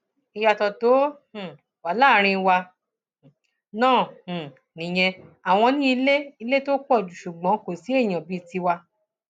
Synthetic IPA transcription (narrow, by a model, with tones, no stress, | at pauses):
i˧ja˧tɔ˧to˨˦h̩˨ | wa˨la˦ɾ̃ĩ˧wa˧˨ | nãː˦˨h̩˨ | nĩ˨j̃ɛ̃˧a˨w̃ɔ̃˧nĩ˦i˧le˦i˧le˦to˦kɔ˦˨d͡ʒu˨ʃu˨ɡ͡bɔ̃˨˦ko˨si˨˦e˦˨j̃ã˨bi˨˦˧ti˧wa˧